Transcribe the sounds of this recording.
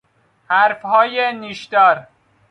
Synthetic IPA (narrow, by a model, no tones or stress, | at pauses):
hæɾfhɒːjeniːʃd̪ɒːɾ